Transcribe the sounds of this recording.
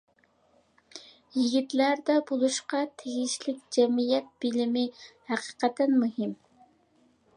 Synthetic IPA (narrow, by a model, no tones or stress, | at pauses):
jiɡʲit̪læɾd̪ɛbolˠuʃqɑt̪ʰeɡʲiʃlɪkʲd͡ʒɛmijɛt̪̚b̥ɪlɪmɪhæqʰə̥qɛt̪ʰːɛnmuɦɪm